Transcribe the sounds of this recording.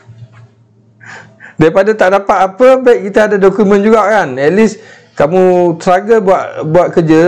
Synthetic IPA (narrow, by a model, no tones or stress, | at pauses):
daɾipadat̪aʔdapat̪̚apəbaiʔ̚kːit̪aadadokumɛ̃nd͡ʒuɡaʔkanɛt̪̚lis | kamũt̪əɾaɡəbuaʔbuat̪̚kəd͡ʒə